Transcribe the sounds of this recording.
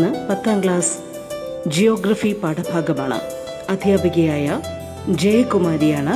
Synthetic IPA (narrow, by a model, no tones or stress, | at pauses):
ɨpɐt̪ːaːmɡɭaːs | d͡ʑijo̞ːɡɾɐfipaːʈɐbʱaːɡɐmaːɳɨ̰ | ɐd̪ʱjaːbɐɣɐjaːjɐ | d͡ʑejɐkumaːɾijaːɳɨ